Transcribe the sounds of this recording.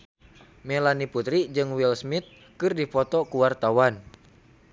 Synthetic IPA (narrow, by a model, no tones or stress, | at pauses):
mɛlaniput̪ɾid͡ʒɨŋwilsmit̪̚ | kɨrdipɔt̪ɔkuwart̪awan